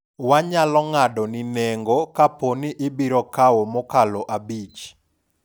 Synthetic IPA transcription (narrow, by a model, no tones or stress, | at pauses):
waɲalɔŋadɔninɛŋɡɔkaponiʔɪbiɾɔkawomɔkalɔʔabit͡ʃ